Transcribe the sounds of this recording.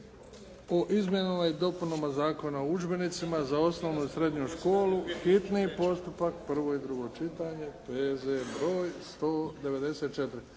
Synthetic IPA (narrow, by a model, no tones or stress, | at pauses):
oʔizmje̞namajed̪o̞punomazaːko̞naoud͡ʒbe̞nit̪simazao̞sno̞ːʋnuisɾe̞d̪ɲuʃko̞ːluxit̪nipo̞st̪upakpr̩ʋo̞id̪ɾuɡo̞t͡ʃit̪aːɲe̞peːzebɾo̞ːjst̪o̞ːd̪e̞ʋe̞d̪e̞set̪̚t͡ʃe̞t̪ɾi